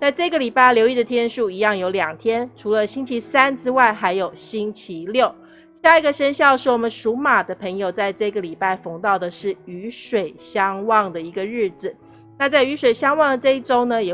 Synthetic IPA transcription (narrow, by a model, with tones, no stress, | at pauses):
t͡sa˥˧ɪʈ͡ʂɤ˥˩i˧ɡə˩li˨˩pa˥˩ɪljo˧˥ʊi˥˩d̪ə˩t̪ʰjɛ˥nʂu˥˩i˧˥jɑ˥˩ŋjo˧˥ʊljɑ˨˩ŋt̪ʰjɛ˥nʈ͡ʂʰu˧˥lə˧ɕi˥ŋt͡ɕʰi˧˥sa˥nʈ͡ʂɻ̩˥wa˥˩ɪxa˧˥ɪjo˨˩ʊɕi˥ŋt͡ɕʰi˧˦ljo˥˩ʊ | ɕja˥˩i˧˥ɡə˨˧ʂə˥nɕjɑ˥˧ʊʂɻ̩˥˩wɔ˨˩mə˦nʂu˧˥ma˨˩d̪ə˦pʰə˧˥ŋjo˧ʊt͡sa˥˧ɪʈ͡ʂɤ˥˧i˧ɡə˩li˨˩pa˥˩ɪfo˧˥ŋt̪ɑ˥˩ʊd̪ə˩ʂɻ̩˥˩y˧˥ʂwe˨˩ɪɕjɑ˥ŋwɑ˥˩ŋd̪ə˩i˧˥ɡə˧ɻɻ̩˥˩d͡z̩˨˩ | na˥˧t͡sa˥˩ɪy˧˥ʂwe˨˩ɪɕjɑ˥ŋwɑ˥˩ŋd̪ə˩ʈ͡ʂɤ˥˧i˥˩ʈ͡ʂo˥ʊnə˨jɛ˨˩